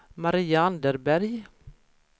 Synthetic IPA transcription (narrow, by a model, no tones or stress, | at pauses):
maɾiːaand̪əɾbæɾj